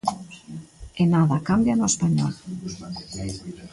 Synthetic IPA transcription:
enaðakambjanoespaɲɔl

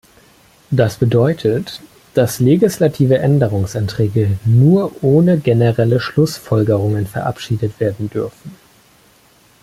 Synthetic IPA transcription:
d̥asb̥ədɔʏtʰət | d̥asleɡislatʰiːvəʔɛndəʁ̞ʊŋsantʁ̥ɛːɡənuːɐʔoːnəɡenəʁɛləʃlʊsfɔlɡəʁʊŋənfɛɐʔa̰pʃiːdətv̥eːɐdn̩dʏɐfn̩

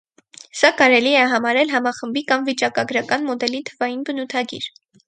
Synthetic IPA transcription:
sɑkɑɾɛliɛɦɑmɑɾɛlɦɑmɑχəmbikɑmvit͡ʃɑkɑɡɾɑkɑnmɔd̪ɛlit̪ʰəvɑjinbənut̪ʰɑɡḭɾ

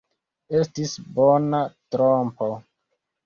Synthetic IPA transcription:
e̞stisbonatɾompo

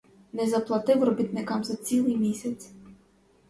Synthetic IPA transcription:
nɛzɐplˠɐt̪ɪwrɔbʲit̪nɪkɑmzɐt͡sʲilˠɨjmʲisʲɐt͡sʲ

